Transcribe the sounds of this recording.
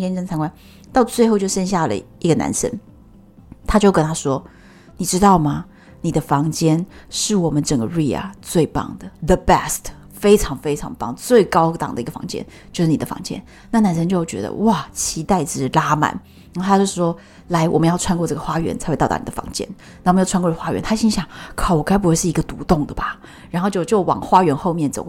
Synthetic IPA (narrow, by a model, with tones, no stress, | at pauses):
t͡ɕjɛ˥nʈ͡ʂə˥nt͡sʰŋkwa˥n | t̪ɑ˥˧ʊt͡swe˥˧ɪxo˥˧ʊt͡ɕjʊʂə˥nɕja˥˩lə̰˩ | i˧˥ɡə˧na̰˧˥nʂə̰˥n | t̪ʰa˥t͡ɕjo˥˩ʊkə˥nt̪ʰa˥ʂwɔ˥ | ni˨˩ʈ͡ʂɻ̩˥t̪ɑ˥˩ʊmɐ˩ | ni˨˩d̪ə˦fɑ˧˥ŋt͡ɕjɛ˥nʂɻ̩˥˩wɔ˨˩mə˦nʈ͡ʂə˨˩ŋɡə˦ɻi˥˩a̰˨˩t͡swe˥˧ɪpɑ̰˥˩ŋd̪ə˩ðə˨bɛ˥˩st | fe˥ɪʈ͡ʂʰɑ˧˥ŋfe˥ɪʈ͡ʂʰɑ̰˧˥ŋpɑ˥˩ŋt͡swe˥˩ɪkɑ˥ʊt̪ɑ̰˨˩ŋd̪ə˦i˧˥ɡə˧fɑ̰˧˥ŋt͡ɕjɛ̰˥n | t͡ɕjo˥˧ʊʂɻ̩˥˩i˨˩d̪ə˦fɑ̰˧˥ŋt͡ɕjɛ̰˥n | na˥˩na˨˩nʂə˥nt͡ɕjo˥ʊ˩t͡ɕɥɛ̰˧˥d̪ə̰˧wa˥˩t͡ɕʰi˧˥t̪a˥˩ɪʈ͡ʂɻ̩˧˩la˥ma̰˨˩˦n | n˧˥˧t̪ʰa˥t͡ɕo˥˧ʊʂɻ̩˥˩ʂwɔ˥ | la˧˥ɪwɔ̰˨˩mə˦njɑ˥˩ʊʈ͡ʂʰwa˥nkwɔ˥˧ʈ͡ʂɤ˥˩ɡə˨xwa˥ɥɛ̰˧˥nt͡sʰa˧˥xt̪ɑ˥˩a̰˧˥ni˨ə˦fɑ̰˧˥ŋt͡ɕjɛ̰˥n | n˨˩wm˧˦jʰnkwwa˥ɥɛ̰˧˥nt̪ʰa˥ɕi˥ŋɕjɑ˨˥˦ŋkʰɑ˨˩wɔ˨˩kʰa˥ɪp̬xwe˥˧ʂɻ̩˥˩i˧˥ɡə˧t̪u˧˥t̪ʊ˥˩ŋd̪ə˩ba˩ | ɻa˧˥nxo˥˧t͡ɕjo˥˧ʊt͡ɕjo˥˩ʊwɑ̰˨˩ŋxwa˥ɥɛ˧˥nxo˥˧ʊmjɛ˥˩nt͡so̰˨˦